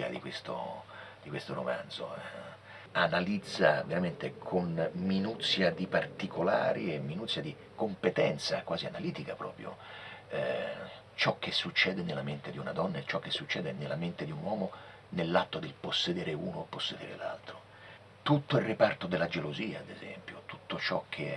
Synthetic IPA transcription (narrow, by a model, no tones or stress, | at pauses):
a̰d̪ikwest̪o̰d̪̥ikwest̪oɾo̰ma̰nd̪zo̰ | analid̪zːa̰veɾament̪ekʰonminut̪sːjad̪ipart̪ikʰola̰ːɾʔiemːinut̪sːjad̪i | kompet̪ɛnt̪sa̰kwaːzianaliːt̪ikapɾɔ̰ːpɾjo̰ɛ | t͡ʃɔk̟ːesːut͡ʃːɛːd̪enelːament̪ed̪iunad̪ɔnːat͡ʃɔkːesːut͡ʃːɛːd̪enelːament̪ed̪iunwɔːmo | nelːat̪ːod̪elposːed̪eːɾeuːnoepːosːed̪ḛːɾḛla̰lt̪ɾo | t̪ut̪ːoilrːipart̪od̪elːad͡ʒeloziːaːd̪ezɛ̰mpjot̪u̥t̪ːot͡ʃɔkʰːe